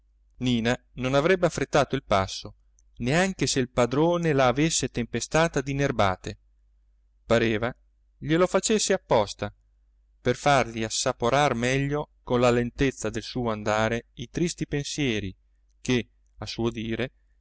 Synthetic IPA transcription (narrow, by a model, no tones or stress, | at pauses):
niːna | nonavɾɛbːeafɾet̪ːaːt̪oilpasːo | neaŋk̟eseilpad̪ɾoːnelaːvesːet̪empest̪aːt̪ad̪inerba̰ːt̪e | paɾeːva | ʎelofat͡ʃesːeapːɔst̪a | perfarʎiasːapoɾarmɛʎːokonlalent̪et̪sːad̪elsuːoand̪aːɾeit̪ɾist̪ipensjɛːɾi | ke | asuod̪iːɾe